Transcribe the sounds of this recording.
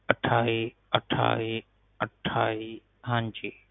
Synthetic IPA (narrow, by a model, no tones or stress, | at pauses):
ɐʈʰaːi | ɐʈʰa̰ːi | ɐʈʰaːi | ɦãːɲd͡ʑiː